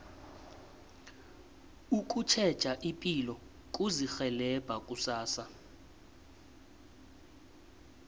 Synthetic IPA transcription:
uk̬ʼut͡ʃʰɛ̥t͡ʃʼaʔipʼilɔ | kʼuzixɛlɛb̥ʱakʼusaːsa

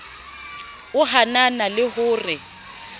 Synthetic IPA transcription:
ʊɦananalɪhʊːrɪ

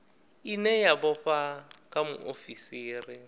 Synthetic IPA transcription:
inɛjabɔɸakʼamʊ̰ʔofisiːrɪ

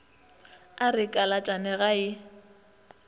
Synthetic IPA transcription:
arɪkʼalat͡ʃʼanɛɣaɪ

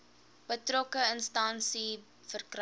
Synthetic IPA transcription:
b̥ətrɔkəənstɐnsi | fərkr

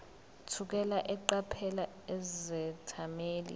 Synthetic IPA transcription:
tʰuk̬ɛlaʔɛǃapʰɛla | ɛzɛtʰameːlḭ

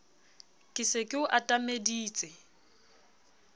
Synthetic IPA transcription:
kʼɪsekʼɪʊʔatʼamediːt͡sʼɛ

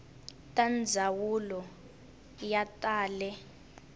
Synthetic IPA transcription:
tʼand͡zʱawulɔ | jatʼaːlɛ

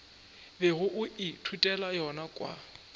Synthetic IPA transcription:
bɛɣʊʔʊɪtʰutʼɛlajɔnakʼwa̰

